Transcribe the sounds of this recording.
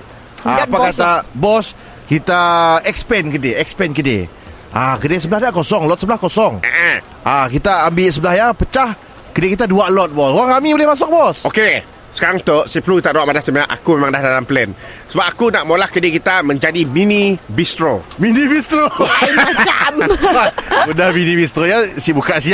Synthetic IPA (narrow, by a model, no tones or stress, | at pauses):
aapakat̪abɔs | kit̪aɛkspɛnkədeɛkspɛnkədḛ | akədesəbəlahdaʔkosɔŋlɔt̪̚səbəlahkosɔŋə̰ʔə | ʔakit̪aːmbɪʔs̬əbəlahjapət͡ʃah | kədekit̪̬aduaʔlɔt̪̚bɔsoɣaŋamibolɪhmas̬ʊk̚bɔsoke | sə̥kaɾaŋt̪oʔsipəlukit̪aʔdawaʔmadasəmajaʔa̰kumemãŋdahdalampəlɛnsəbap̚akunaʔmolahkədekit̪amə̃ɲd͡ʒadiminibist̪ɾominibist̪ɾo | amamudahminibist̪ɾojasibukaʔsia